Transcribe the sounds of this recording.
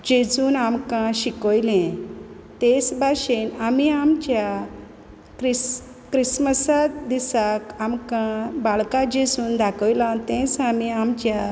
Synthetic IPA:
d͡ʑed͡zuːnamkãɕikɔjlɛ̃ | t̪ẽsbʱaɕenamiamt͡ɕja | kɾis | kɾisməsad̪isakamkãbaɭkãd͡ʑed͡zuːnd̪akɔjlãnt̪ɛ̃t͡samiamt͡ɕja

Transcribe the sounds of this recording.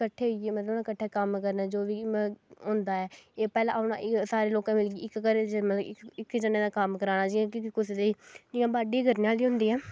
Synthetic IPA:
kəʈʰːeːɦʊieːmət̪ləbnãːkəʈʰːɛːkəmkəɾnɛːd͡ʒoːʋiːɦʊ̃ːnd̪aːɛːeːpɛːlãːpnã̰ːʔɪsaːɾeːloːkãːmɪlɡiːɪkːəɾeːd͡ʒmət̪ləɪkɪkːd͡ʒənẽːd̪aːkəmkəɾaːnaːd͡ʒiːãːkɪkkʊsd̪eiːd͡ʒiãːbaːɖiːɡəɾneaːliːɦʊ̃nd̪iːɛː

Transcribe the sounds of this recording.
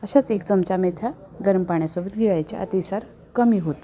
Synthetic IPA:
əɕat͡sekt͡səmt͡ɕamet̪ʰjaɡəɾmpaɳ̃jasobət̪ɡʱeʋajt͡ɕa̰ʔə̰t̪isaɾ | kəmiːɦot̪

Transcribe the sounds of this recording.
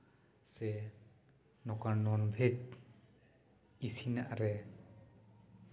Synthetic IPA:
sɛ | nɔkanɔnbʱet̚ | isinaʔaɾɛ

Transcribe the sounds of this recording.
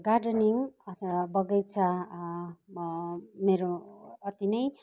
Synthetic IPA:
ɡarɖʌniŋʌt̪abʌɡʌjt͡sʰʌ | meɾoːt̪inʌj

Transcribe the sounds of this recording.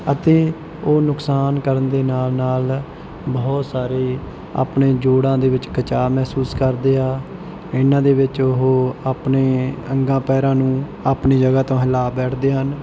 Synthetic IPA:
ət̪eː | oːnʊksaːnkəɾənd̪eːnaːlnaːl | bɔːt̪saːɾeː | a̰ːpɳẽːd͡ʒoːɽãːd̪eːʋɪt͡ʃkət͡ʃaːmɛːsuːskəɾd̪eːaː | ɪnãːd̪eːʋɪt͡ʃʊɦoːaːpneːəŋɡãːpɛːɾãːnũː | aːpniːd͡ʒəɡaːt̪õːɦɪlaːbɛːʈʰd̪eːɦən

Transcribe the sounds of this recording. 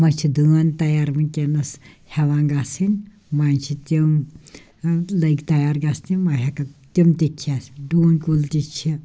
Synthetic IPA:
mɐt͡ʃʰid̪uant̪ɐjaːɾmɨnʲkʲenɐshɛʋãːŋɡasinʲ | maːnt͡ʃʰit̪im | lɐikt̪ɐjaːɾɡast̪imɐɦɐkɐt̪imt̪ikʰiasiɖoːnkult̪it͡ʃʰi

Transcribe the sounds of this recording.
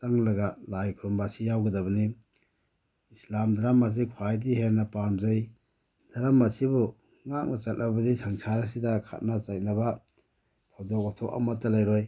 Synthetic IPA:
saŋlɐɡalajkʰuɾumbasijawɡɐdɐbɐni | islamdaɾamːas̬ikʰwajdiɦenɐpamzaj | d̥aɾamːasibu | ŋak̚nat͡ʃɐt̚nʔabɐdisaŋsʰaɾas̬idakʰa̰t̚nat͡ʃajk̚nɐba | tʰawdɔk̚atʰɔka̰matːalajɾoj

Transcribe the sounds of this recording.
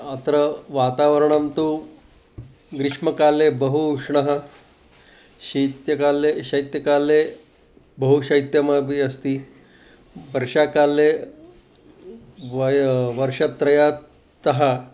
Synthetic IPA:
at̪ɾəʋat̪aʋəɾɳamt̪u | ɡɾiʂmɐkalebəɦuʂɳɐɦə | ɕɐt̪jɐkaleɕɐit̪jɐkale | bəɦuɕɐjt̪jɐmabiəst̪iː | ʋəɾʂakalːe | ʋʋəɾʂɐt̪ɾɐja | t̪ɐɦa

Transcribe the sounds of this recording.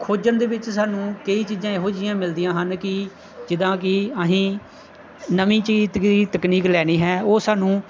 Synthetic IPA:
kʰoːd͡ʒənd̪eːʋɪt͡ʃsaːnũːkəiːt͡ʃiːzãːeːɦoːd͡ʒɪjãːmɪld̪ɪijãːɦənkɪ | d͡ʒɪd̪ãːkɪəɦĩː | nəʋĩːt͡ʃiiːt̪əkniːklɛːñiːɦɛːoːsaːnũː

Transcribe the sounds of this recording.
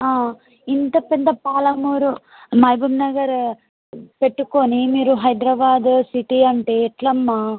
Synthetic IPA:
aː | int̪ɐpid̪ːɐpaːlɐmuːɾu | mɐjbɐmnɐɡɐɾ | pe̞ʈːukonimiːɾuɦɐjd̪ɾɐbaːd̪siʈiɐɳʈeːiʈlɐmːaː

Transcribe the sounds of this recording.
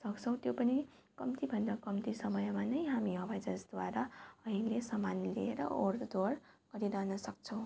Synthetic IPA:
sʌkt͡sʰʌ̃w̃t̪jopʌni | kʌmt̪ibʱʌnd̪akʌmt̪isʌmʌjmanʌjɦamiʌbʱad͡zʌsd̪waɾaʌɦilesʌmanlieɾʌ̰oɾd̪or | ɡ̥ʌɾiɾanʌsʌk̚t͡sʰʌ̃w̃

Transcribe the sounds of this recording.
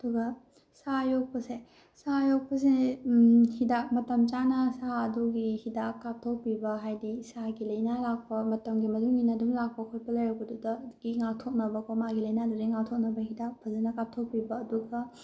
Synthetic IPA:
ɐduɡɐ | sajok̚pɐse | sajok̚pɐs̬e | hidak̚mɐtɐmt͡ʃanɐsaɐduɡihidakːap̚tʰok̚pibɐɦajdisaɡilɐjnalak̚pɐmɐtɐmɡimɐduŋinɐdumlak̚pɐkʰot̚pɐlɐjɾokɐdudɐɡ̥iŋak̚tʰok̚nɐbɐkomaɡilɐjnaduɾiŋak̚tʰok̚nɐbɐhidak̚pʰɐzɐnɐkap̚tʰok̚pibɐːduɡɐ

